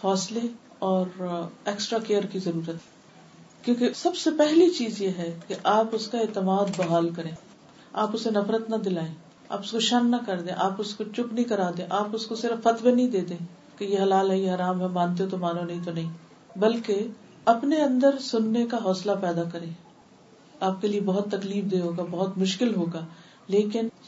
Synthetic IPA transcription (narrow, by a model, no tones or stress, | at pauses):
hɔːsle | ɔːɾeːksʈɾakeːəɾkizɐɾuːɾət̪ɦ | kjõːkesɐbsepɛɦlit͡ʃiːzjeɦɛkeʔaːpʊskaeːt̪ɪmaːd̪bɐɦaːlkɐɾẽː | aːpʊsenɐfɾət̪nɐd̪ɪlaːẽː | a̰ːpʊskoʃɐnːɐkɐɾd̪ẽːʔaːpʊskot͡ʃʊknɐɦĩkɐɾaːd̪ẽːʔaːpʊskosɪɾəfːɐt̪wenɐɦĩd̪eːd̪ẽː | kejeɦɐlaːlɦɛjeɦɐɾaːmɦɛmːãːnt̪eot̪omaːnõnɐɦĩt̪onɐɦĩ | bɐlke | ɐpneɐ̃nd̪əɾsʊnːekaɦɔːslapɛːd̪akɐɾẽː | aːp̚keliebɔɦʊt̪ːɐkliːfd̪eːɦoːɡabɐɦʊt̪mʊʃkɪlɦoːɡaː | leːkɪn